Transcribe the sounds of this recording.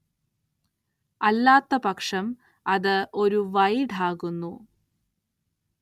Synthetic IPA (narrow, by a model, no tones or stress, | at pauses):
ɐlːaːt̪ːɐpɐkʂɐm | ɐðɨo̞ɾuʋɐjɖʱaːɣunːu